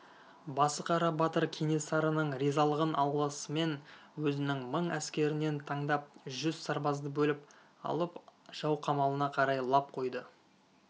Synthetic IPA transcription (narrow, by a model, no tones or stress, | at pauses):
bɑsəqʰɑɾɑbɑt̪əɾkʲʰene̞sɑɾənəɴɾizɑlˠəʁənʔɑw̪ˠlˠəsəme̞nwɵzɪnɪŋməɴæskʲe̞ɾɪne̞nt̪ʰɑɴd̪ɑp̚ʒʏzsɑɾbɑzd̪əbɵlɪp | ɑ̰lˠəpʒ̥ɑwqʰɑmɑlˠənɑqʰɑɾɑjlˠɑp̚qʰo̞jd̪ə